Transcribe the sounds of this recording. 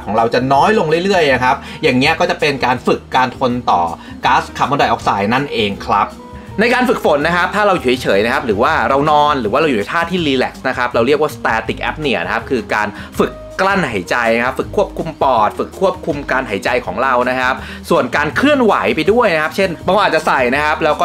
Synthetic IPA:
kʰɔː˩˦ŋɾa˧wt͡ɕa˨˩nɔː˦˥jlo˧ŋɾɯ˥˩əjɾɯ˥˩əjna˦kʰa˦˥p̚jaː˨˩ŋni˦˥ɐkɔː˥˩t͡ɕa˨˩pe˧nkaː˧nfɯ˨˩kːaː˧nt̪ʰo˧nt̪ɔ̰ː˨˩ | kaː˦˥skʰa˨˩p̚mɔ˧nda˨˩jʔɔ˦˥k̚saː˧jna˥˩nʔeː˧ŋkʰɾa˦˥p̚ | na˧jkaː˧nfɯ˨˩k̚fo˨˦nːa˦˥kʰa˦˥p̚t̪ʰːaː˥ɾa˧wjuː˨˩˦jt͡ɕʰɤː˩˦jna˦˥kʰa˦˥p̚ɾɯː˩˦waː˥˩ɾa˧wnɔː˧nɾɯː˩˦waː˥˩ɾwjuː˨˩a˧jt̪ʰaː˥˩t̪ʰːiː˥˩liː˧lɛ˦˩k̚sna˦˥kʰa˦˥p̚ɾa˧wɾi˥˩ək̚waː˥˩st̪ɛː˧t̪i˨˩k̚ʔɛ̰˦˥p̚ni˨˩ɐna˦kʰa˦˥p̚kʰɯː˧kaː˧n | fɯ˨˩kːla˥˩nɦa˩˦jt͡ɕa˧jkʰa˦˥p̚fɯ˨˩kʰːu˥˩əp̚kʰu˧mpɔː˨˩t̪̚fɯ˨˩kʰːu˥˩əp̚kʰu˧mkaː˧nha˩˦jt͡ɕa˧jkʰɔ̰ː˩˦ŋɾa˧wna˦˥kʰa˦˥p̚ | su˨˩ənkaː˧nkʰɾɯ˥˩ənwa˩˦jpa˧jdu˥˩əjna˦˥kʰa˦˥p̚t͡ɕʰe˥˩nbɔː˧ŋa˧aː˨˩t̚t͡ɕa˨˩sa˨˩jna˦˥kʰa˦˥p̚lɛː˦˥wkɔ˥˩

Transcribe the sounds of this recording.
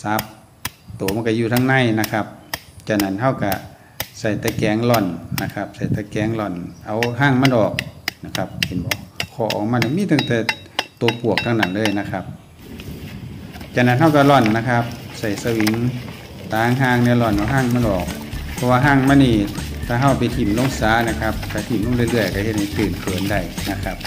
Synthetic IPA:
sa˧˦p̚ | t̪oː˨˦ma˧˨ka˧juː˧t̪ʰa˧˨ŋna˧˥˨jna˧kʰa˧˥p̚t͡ɕa˧na˧˩˨nɦa˧˨wka˧˩ | sa˧˩jt̪ɛː˧kɛː˨˧˦ŋlɔ˧˩nːa˧kʰa˧˥p̚sa˨˩jt̪ɛː˧˩kɛː˨˧˦ŋlɔ˧˩nʔa˧˩wɦaː˧˩˨ŋma˧˥˨nʔɔː˨˩k̚na˧˩kʰa˧˦p̚he˨nbɔː˨˧˦kʰɔː˧˩˦ʔɔ̰˨˩wma˧˨nʔa˧miː˧˥t̪ʰa˧˩ŋt̪ɛː˧˩ | t̪oː˨˧˦pu˨˩ək̚t̪ʰa˧ŋnaː˨˩ŋlɤː˧˨jna˧kʰa˧p̚ | t͡ɕa˧naː˧˥t̪̚ha˧˨wka˧lɔ˧˩nːa˧kʰa˧p̚sa˨˩jsa˧wi˨˦ŋ | t̪aː˨˧˦ŋɦaː˧˩˨ŋnɛ˧˨lɔ˧˩nʔa˧wɦaː˧˩˨ŋma˧˥˨nʔɔː˨˩k̚pʰɔ˧waː˧ɦaː˧˥˨ŋma˧˥˨niː˧˩t̪ʰaː˧˩ɦa˧˩wpa˨˩jt̪ʰiː˨˩mlo˧˥˨ŋsaː˨˦na˧kʰa˧p̚t̪ʰaː˧˩t̪ʰiː˨˩mlo˧˥˨ŋlɯ˧˨lɯ˧˩əjka˧he˧t̪̚ha˧˩jt̪ɯː˨˩nkʰɤː˨˩˦nda˧˩jna˧˥kʰa˧˥p̚

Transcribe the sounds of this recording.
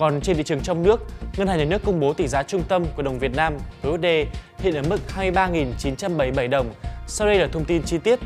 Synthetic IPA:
kɔ˨˩nt͡ɕe˧nt̪ḭ˧˨ɨ˨˩əŋt͡ɕɔ˧wŋ͡mnɨ˦˥ək̚ŋə˧nhaː˨˩ɲaː˨˩nɨ˦˥əkːʊ˧ŋ͡mɓo˨˦t̪i˧˩zaː˨˦t͡ɕʊ˧ŋ͡mt̪ə˧mku˧˩əɗə˨˩wŋ͡mvi˨˩ət̚naː˧mvəː˨˦ʔu˦˥t̚ɗe˧˩ | hḭ˧˨ənʔəː˧˩mɨ˦˥t̚haː˧mɨ˧jɓaː˧ŋi˨˩nt͡ɕi˨˦nt͡ɕa˧mɓə˧˩jɓə˧˩jɗə˨˩wŋ͡msa˧wɗə˧jlaː˨˩t̪ʰə˧wŋ͡mt̪i˧nt͡ɕi˧t̪i˦˥ət̚

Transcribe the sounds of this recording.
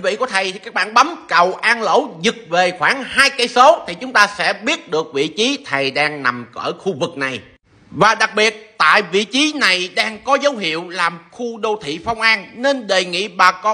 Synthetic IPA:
vḭ˧˨ku˨˩˦t̪ʰə˨˩jkaː˦˥k̚ɓaː˧˨nɓa˨˦mkə˨˩wʔaː˧nlo̰˧˥zɨ˨˩k̚ve˨˩xwaː˧˩ŋhaː˧jka˧jso˨˦t̪ʰi˨˩t͡ɕʊ˨˦ŋ͡mt̪aː˧sɛ̰˧˥ɓi˦˥ət̚ɗɨ˨˩ək̚vḭ˧˨t͡ɕi˨˦t̪ʰə˨˩jɗaː˧ŋna˨˩mkəː˧˩xu˧vɨ˨˩k̚na˨˩j | vaː˨˩ɗa˨˩k̚ɓi˨˩ət̚t̪a̰ː˧˨jvḭ˧˨t͡ɕi˨˦na˨˩jɗaː˧ŋkɔ˨˦zə˨˦wɦḭ˧˨əwlaː˨˩mxu˧ɗo˧t̪ʰḭ˧˨fa˧wŋ͡mʔaː˧nne˧nɗe˨˩ŋḭ˧˨ɓaː˨˩kɔ˧

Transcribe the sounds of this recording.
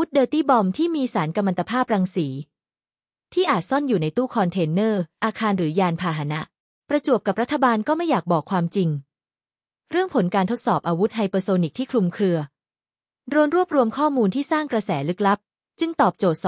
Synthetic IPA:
wu˦˥t̪̚dɤː˧t̪iː˥˩bɔ˧mt̪ʰiː˥˩miː˧saː˩˦nka˧mːa˧t̪a˧pʰaː˥˩p̚ɾaː˧ŋsiː˩˦ | t̪ʰiː˥˩ʔaː˨˩t̪̚sɔ˥˩njuː˨˩na˧jt̪uː˥˩kʰɔː˧nt̪ʰeː˧nːɤː˥˩ʔaː˧kʰaː˧nɾɯː˩˦jaː˧npʰaː˧ɦa˩˦na˦˥ʔ | pɾa˧t͡ɕu˨˩əp̚ka˨˩p̚ɾa˦˥t̪ʰːa˧baː˧nkɔː˥˩ma˥˩jaː˨˩k̚bɔː˨˩kʰwaː˧mt͡ɕi˧ŋ | ɾɯ˥˩əŋpʰo˩˦nkaː˧nt̪ʰo˦˥t̪sɔː˨˩p̚ʔaː˧wu˦˥t̪̚ɦa˧jpɤː˧soː˧ni˨˩k̚t̪ʰiː˥˩kʰɾu˧mkʰɾɯ˧ɐ | do˧nɾu˥˩əp̚ɾu˧əmkʰɔː˥˩muː˧nt̪ʰiː˥˩saː˥˩ŋkɾa˧sɛː˩˦lɯ˦˥k̚la˦˥p̚ | t͡ɕɯ˧ŋt̪ɔː˨˩p̚t͡ɕoː˨˩t̪̚s

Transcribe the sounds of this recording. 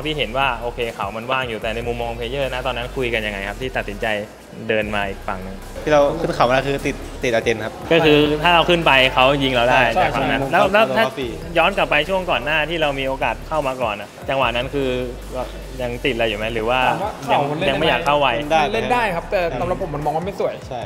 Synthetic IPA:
a˧t̪ʰiː˥˩ɦe˩˦nwaː˥˩ʔoː˧kʰeː˧kʰa˩˦wma˧nwaː˥˩ŋjuː˨˩t̪ɛː˨˩na˧jmu˧mːɔː˧ŋɔ˧pʰeː˧˦jɤː˥˩naː˦˥˩t̪ɔː˧nːa˦˥nkʰu˧jka˧nja˧ŋːa˧jk̚ʰt̪ʰiː˥˩a˨˩t̪̚si˩˦nt͡ɕa˧j | dɤː˧nmaː˧ʔiː˨˩k̚fa̰˨˩ŋnɯ˨˩ŋ | t̪ʰiː˥˩a˧wkʰɯ˥˩nkʰa˨˩˦wma˧la˧˥˩kʰɯː˧t̪i˨˩t̪̚ːi˨˩t̪̚a˧t͡ɕe˧nkʰa˦˥p̚kɔː˥˩kʰɯː˧t̪ʰaː˥˩ɾa˧wkʰɯ˥˩npa˧jkʰa˦˥wji˧ŋɾa˧wdaː˥˩jt͡ɕaː˨˩kwa̰˨˩˨na˦˥n˧lɛː˦˥wlɛː˦˥w̪ʰaː˥˧˨ | jɔː˦˥nka˨˩pːa˧jt͡ɕʰu˥˩əŋkɔː˨˩nːaː˥˩t̪ʰiː˥˩ɾa˧wmiː˧ʔoː˧kaː˨˩t̪̚kʰa˥˩wmaː˧kɔː˨˩nʔa˨˩t͡ɕa˧ŋwa˨˩ʔna˦˥nkʰɯː˧˩ | ja˧ŋt̪i˨˩t̪̚la˧juː˨˩ma˦˥jɾɯː˩˦waː˥˩˧ja˧ŋ˧ja˧ma˥˩jaː˨˩kʰːa˥˩wa˧jle˥˩ndaː˥˩jkʰa˦˥p̚t̪ɛː˨˩sa˨˦mɾa˨˩pʰːo˩˦ma˧nmɔː˧ŋwaː˥˩ma˥˩jsu˨˩˦əjʰa˥

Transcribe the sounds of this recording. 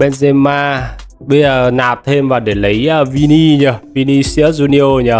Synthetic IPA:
ɓɛ˧nze˧maː˧ | ɓə˧jzəː˨˩naː˨˩p̚t̪ʰe˧mvaː˨˩ɗe˧˩lə˨˦jʔəː˧vi˧ni˧ɲə˧˩vi˧ni˧si˧˦˥əzu˧ni˧ʔo˧ɲə˧˩

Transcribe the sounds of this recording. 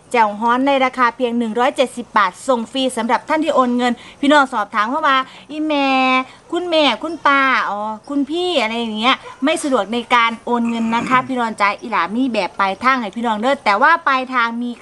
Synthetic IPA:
t͡ɕɛ˨˩wɦɔː˨˥nːa˧jɾaː˧kʰaː˧pʰi˧əŋnɯ˨˩ŋɾɔː˦˥jt͡ɕe˨˩t̪̚si˨˩p̚baː˨˩t̪̚so˨˩ŋfiː˧sa˩˦mɾa˨˩p̚t̪ʰa˥˩nt̪ʰiː˥˩ʔoː˧nŋɤ˧npʰiː˥˩nɔː˧˩ŋsɔː˨˩p̚t̪ʰaː˨˦mpʰɔ˦˥waː˧˩ | ʔiː˧mɛː˧ | kʰu˧˥nmɛː˧˩kʰu˧˥˨npaː˧˩ʔɔː˧˩kʰu˧npʰiː˥˩ʔa˧ɾa˧jːa˨˩ŋːi˦˥ɐma˥˩jsa˧du˨˩ək̚na˧jkaː˧nʔoː˧nŋɤ˧nːa˦˥kʰa˦˥pʰiː˥˩nɔː˧nt͡ɕaː˧jʔiː˨˧˩laː˨˩˦mːiː˧˥˩bɛː˨˩pːa˧jt̪ʰaː˥˩ŋha˨˩jpʰiː˥˩nɔː˧˩ŋlɤː˥˩t̪ːɛː˨˩waː˥˩paː˧jt̪ʰaː˧ŋmiː˧

